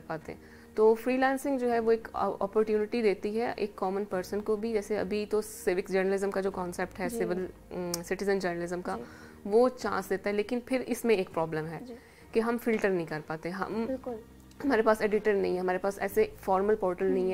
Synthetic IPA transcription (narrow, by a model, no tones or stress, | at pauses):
ɾpaːt̪ḛɦɛ̰̃ | t̪oːfɾiːlɛ̃ːnsɪ̃ŋɡd͡ʒoːɦɛʋoeːkɔ̰ːpəɾʈjuːnɪʈid̪eːt̪iɦɛʔḛːkːɔːmənpəɾsənkobʱid͡ʒɛːseɐ̰bʱit̪osɪʋɪksd͡ʒəɾnəlɪzəmkad͡ʒoːkɔ̃ːnsɛp̚ʈɦɛsɪʋɪl | sɪʈɪzə̃nd͡ʒəɾnəlɪzə̃mka | ʋot͡ʃã̰ːnsd̪eːt̪aɦɛleːkɪnpʰɪɾɪsmẽeːk̚pɾɔːblə̃mɦɛː | keɦɐmfɪlʈəɾnɐɦĩkɐɾpaːt̪eɦɛ̃ɦɐ̰mɪk | hɐmaːɾepaːseːɖɪʈəɾnɐɦĩɦɛɦɐmaːɾepaːsɛ̰ːsefɔːɾməlpɔːɾʈəlnɐɦĩɦɛ